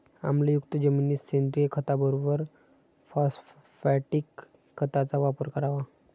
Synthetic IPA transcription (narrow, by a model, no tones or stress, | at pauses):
a̰mlajukt̪əd͡ʑəminiːssend̪ɾijəkʰət̪abəɾobəɾ | fas | fɛʈikʰː | ət̪at͡saʋapəɾkəɾaʋa